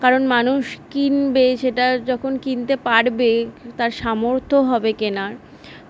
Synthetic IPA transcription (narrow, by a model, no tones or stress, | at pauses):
kaɾonmanuʃkinbeʃeʈad͡ʑɔkʰonkint̪epaɽbet̪aɾʃamoɾt̪ʰoɦɔbekenaɾ